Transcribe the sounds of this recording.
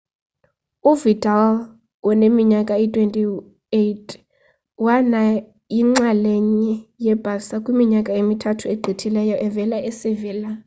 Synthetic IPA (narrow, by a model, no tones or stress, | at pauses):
uvitʼal | wɔnemiɲakʼaitʼwentʼi | etʰʼ | wana | jiŋ͡ǁaleɲijɛb̥ʱʼasakʼwimiɲakʼaemitʰatʰueɡ͡ǃʱitʰilɛjɔʔɛvɛlaʔɛseviːla